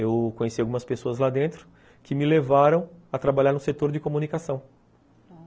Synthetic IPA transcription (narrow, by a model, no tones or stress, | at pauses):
ewkõɲesiawɡumɐspesoɐzlad̪ẽnt̪ɾʊ̥ | kɪmɪlevaɾɐ̃w̃ɐt̪ɾabalʎaɾnʊset̪oɾd͡ʒɪkomunikasɐ̃w̃